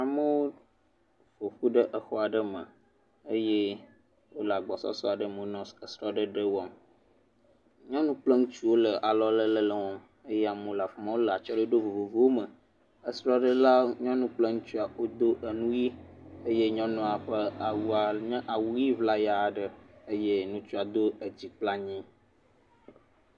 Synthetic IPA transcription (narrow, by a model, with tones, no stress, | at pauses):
a˨mə˦wo˦ | fo˨ɸu˦ɖə˦ʔə˨xɔ˦a˨ɖə˦mə̰̃˨ | ə˦je˦ | wo˦la˨ɡ͡bɔ˨sɔ̰˦sɔ̰˦a˨ɖə˦mə̃˨˦nɔ̃˦sə˨sɾɔ˦ɖə˦ɖə˦wɔ˦m | ɲɔ̃˦nũ˦k͡plə˦ŋũ˦t͡ʃu˦wo˦lə˨ʔa˨lɔ˦lə˦lə˦lə˨wɔ˦m | e˦je˦a˨mə̃˦la˨fɔ˨mã˦wo˦lə˨a˨t͡ʃɔ˦ɖə˦ɖo˦vo˨vo˨vo˦wo˦mə̃˨ | ə˨sɾɔ˦ɖə˦la˦ɲɔ̃˦nũ˦k͡plə˦ŋũ˦t͡ʃu˦a˨wo˦d̪o˦ʔə˨nũ˦ji˦e˦je˦ɲɔ̃˦nɔ̃˦a˨ɸə˦a˨wu˦a˨ɲɛ̃˦ʔa˨wu˦ji˦vla˦ja˨ɖə˦e˦je˦nũ˦t͡ʃu˦a˨d̪o˦ə˨d͡ʑi˨k͡pla˦ɲĩ˦